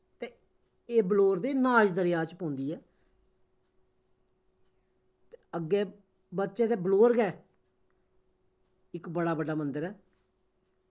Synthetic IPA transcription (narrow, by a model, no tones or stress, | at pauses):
t̪eː | eːbloːɾd̪eːnaːd͡ʒd̪əɾɪjaːt͡ʃpõːnd̪iːɛː | t̪eəɡːeː | bət̪ːʃeːt̪eːbloːɾɡɛː | ɪkbəɽaːbəɖaːmənd̪əɾɛː